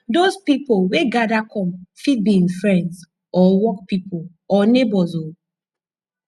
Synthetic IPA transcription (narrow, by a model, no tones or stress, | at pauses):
dozpipolweɡadakʰɔ̃mfit̚biĩŋfɹɛ̃nds | ɔwɔk̚pipol | ɔnebɔzo